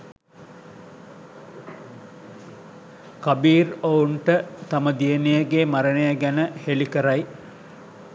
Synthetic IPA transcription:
kabiːrouɳʈət̪aməd̪ijenejəɡeːmaɾənejəɡænəhelikəɾaj

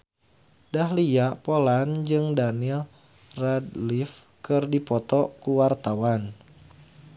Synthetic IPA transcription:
dahlijaʔpoland͡ʒɨŋdanil | radlif | kɨrdipɔt̪ɔkuwart̪awan

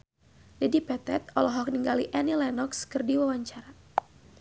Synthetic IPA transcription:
dɛdipɛt̪ɛt̪̚ɔlɔɦɔk̚niŋɡaliʔanilɛnɔkskɨrdiwawaɲt͡ʃaɾa

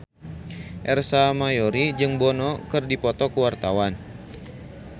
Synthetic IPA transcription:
ʔɛrsamajoɾid͡ʒɨŋbɔnɔkɨrdipɔt̪ɔkuwart̪awan

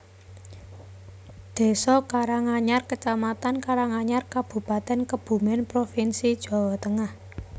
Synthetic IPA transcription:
d̪̥e̤sɔkaɾaŋaɲarkət͡ʃamat̪ankaɾaŋaɲarkab̥ṳpat̪ɛnkəb̥ṳmɛnpɾofinsid̥ʒ̥ɔ̤wɔt̪əŋah

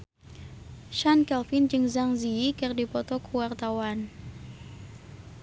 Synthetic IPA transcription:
ʃankɛlfind͡ʒɨŋzaŋziikɨrdipɔt̪ɔkʰuwart̪awan

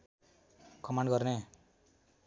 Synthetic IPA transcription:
kʌmaɳɖɡʌrne

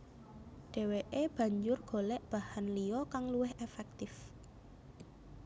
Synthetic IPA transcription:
ɖ̥e̤weʔeb̥ä̤ɲd͡ʒʊrɡ̥o̤lɛʔb̥ahanlijɔkaŋluwɪɦefɛk̚t̪ɪf

